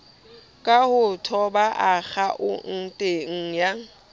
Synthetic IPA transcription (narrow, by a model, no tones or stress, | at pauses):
kʼahʊtʰɔbaʔak͡xaʔʊ̰n̩tʼeŋ̩ja